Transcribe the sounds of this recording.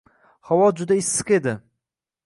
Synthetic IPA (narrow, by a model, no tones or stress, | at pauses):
hawɒd͡ʒʊd̪aɪsːɨ̥qe̞d̪ɪ